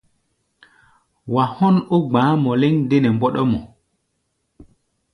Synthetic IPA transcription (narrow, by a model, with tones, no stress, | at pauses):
wa˨hɔ˦nu˦ɡ͡bãː˨˦mɔ˨le˦ŋde˦nɛ˨mbɔ˦ɗɔ˦mɔ˨